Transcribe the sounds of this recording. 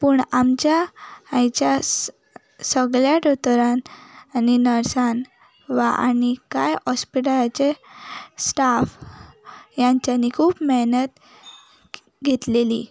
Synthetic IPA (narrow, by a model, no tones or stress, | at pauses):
puɳamt͡ɕjaãjt͡ɕja | səɡɭjaʈot̪ɾananinəɾsan | ʋaʔa̰nikajɔspiʈalat͡ɕe | sʈaf | jaɲt͡ɕjanikʰuːbmeɦnət̪ | ɡʱet̪leli